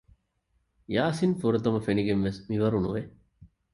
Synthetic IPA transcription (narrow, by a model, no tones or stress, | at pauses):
jaːsinfuɾɐt̪ɐmɐfeniɡenʋesmiʋɐɾunṵʋe